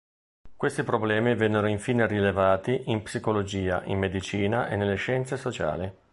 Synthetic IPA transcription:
kwest̪ipɾoblɛːmivɛnːeɾoiɱfiːnerilevaːt̪iʔimpsikolod͡ʒiːa̰ʔḭmːed̪it͡ʃiːnaʔḛnːelːeʃɛnt̪sesot͡ʃa̰ːli

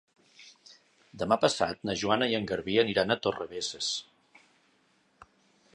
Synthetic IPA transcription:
d̪əmapəsa̰t̪̚nəʒuanəjəŋɡəɾβiəniɾanət̪orəβeses

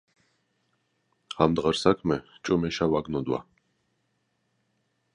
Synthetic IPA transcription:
amd̪ʁəɾsakʰmɛt͡ʃʼɔmɛʃawaɡnɔd̪wa̰

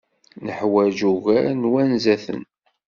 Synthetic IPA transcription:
nəħwæd͡ʒuɣæɾnwænzæθə̰n

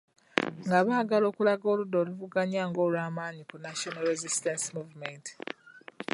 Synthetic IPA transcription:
ŋɡaβaːɡalo̞ːkulaɡo̞ːludoluvuɡaɲaːŋɡo̞ːlwaːmaːɲikunaʃonalɾezistensimuːvument

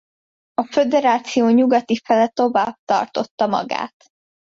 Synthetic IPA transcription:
ɒfed̪ɛɾaːt̪sijoːɲuɡɒt̪ifɛlɛt̪o̞vaːb̚t̪ɒ̰rt̪o̞t̪ːɒmɒ̰ɡa̰ːt̪

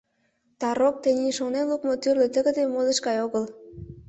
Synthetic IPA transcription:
t̪ɑɾok̚t̪ĕniʃonenlukmot̪yrlĕt̪ə̆ɣə̆d̪emolĕʃkɑjoɣəl

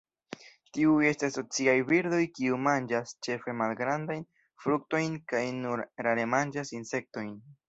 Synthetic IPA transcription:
tiue̞staso̞t͡siajviɾdo̞jkiumand͡ʒast͡ʃe̞fe̞malɡɾandajn | fɾuk̚to̞jnkajnuɾɾaɾemand͡ʒasinse̞k̚to̞jn

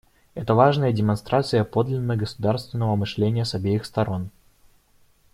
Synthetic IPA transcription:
ɛt̪əvaʐnəjədʲɪmɐnst̪ɾʔat̪sɨjəpo̞d̪lʲɪnːəɡəsʊd̪arst̪vʲɪnːəvəmɨʂlʲenʲɪjəsɐbʲejɪxst̪ɐɾo̞n

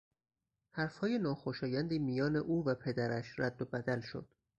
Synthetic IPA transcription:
hæɾfhɒːje̞nɒːxoʃɒːjænd̪iːmijɒːne̞ʔuːvæpʰe̞d̪æɾæʃɾæd̪ːobæd̪ælʃo̞̰d̪̥

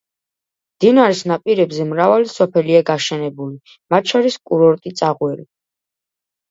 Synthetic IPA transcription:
md̪̥inaɾisnapʼiɾɛbzɛmɾavalisɔpʰɛliaɡaʃɛnɛbuli | mat̪̚ʰʃʰɔɾiskʼuɾɔɾt̪ʼit̪sʼaʁwɛli

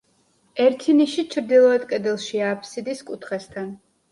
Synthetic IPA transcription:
ɛɾt̪ʰiniʃit͡ʃʰɾd̪ilˠɔɛd̪kʼɛd̪ɛlˠʃiaːpʰsid̪iskʼut̪ʰχɛst̪ʰan

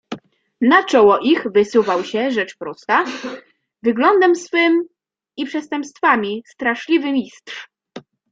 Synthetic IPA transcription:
nat͡ʂɔwɔʔixvɘsuvawɕɛʐɛt͡ʂpɾɔst̪a | vɘɡlɔnd̪ɛmsfɘm | ipʂɛst̪ɛmpst̪famʲist̪ɾaʂlʲivɘmʲist̪ʂ

